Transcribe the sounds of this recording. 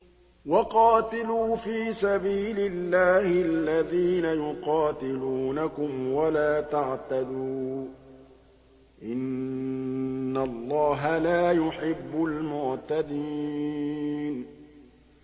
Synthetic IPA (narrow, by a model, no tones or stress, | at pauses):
wɑqɑːt̪ɪluːfiːsabiːlɪlːaːhɪʔalːaðiːnajʊqɑːt̪ɪluːnakʊmwalaːt̪aʕt̪ad̪uː | ʔɪn | alˤːɑːɦalaːjʊħɪbːʊlmʊʕt̪ad̪iː | n